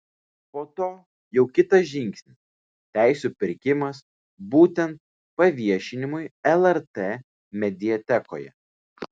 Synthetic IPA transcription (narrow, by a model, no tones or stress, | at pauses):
poːt̪oː | jɛʊkʲɪt̪ɐsʒʲɪŋʲksʲnʲɪs | t̪ʲæˑɪsʲuːpʲɪɾʲkʲɪmɐs | buːt̪ʲɛnt̪̚ | pɐʋʲiɛʃʲɪnʲɪmʊɪɛlˠɛɾt̪eː | mʲɛd̪ʲɪɛt̪ʲɛko̰ːjɛ̰